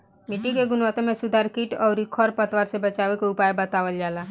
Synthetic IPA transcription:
miʈikeɡunʋat̪ẽmẽsud̪ʱaɾkiʈɔɾikʰɔɾpət̪ʋaɾsebət͡ʃaʋekoupajbət̪aʋəld͡ʒala

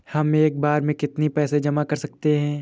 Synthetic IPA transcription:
hɐmeːk̚baːɾmẽkɪt̪nipɛːsed͡ʒɐmakɐɾsɐk̚t̪eɦɛ̃ː

